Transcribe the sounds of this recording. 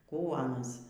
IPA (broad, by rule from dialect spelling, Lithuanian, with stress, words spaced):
ˈkuː ɐˈnɐs